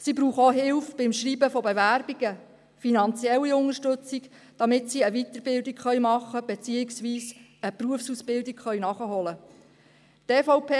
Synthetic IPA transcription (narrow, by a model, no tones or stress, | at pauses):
sibɾuːχoɦɪlfb̥ɪmʃriːbəfɔbeʋæɾbiɡ̥ə | finɑnt͡sjɛlːiʊŋəʃtɵt͡sik | d̥ɑmɪtsiəʋit̪əɾbɪldikχœʏmɑχːəb̥et͡siːɪksʋiːs | əpɾuəfsusb̥ɪldikχœɥnɑχəɦɔlə | teːfɔʊpʰeː